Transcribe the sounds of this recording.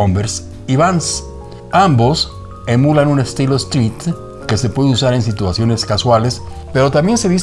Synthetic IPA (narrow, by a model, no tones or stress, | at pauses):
ombeɾs | iβans | ambo̞s | e̞mulanune̞st̪iloest̪ɾit̪ | kese̞pwe̞ðusaɾe̞nsit̪wasjo̞ne̞skaswales | pe̞ɾo̞t̪ambje̞nse̞ðis